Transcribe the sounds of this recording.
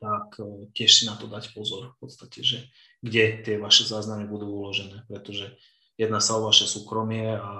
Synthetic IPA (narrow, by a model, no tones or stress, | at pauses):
t̪akcɪɛʃsinat̪ɔd̪acpɔzɔɾfpɔt̪st̪acɛʒɛ | ɡɟɛt̪ɪɛʋaʃɛzaːznamibud̪uːulɔʒɛnɛːpɾɛt̪ɔʒɛ | jɛd̪nasaɔʋaʃɛsuːkɾɔmɪɛa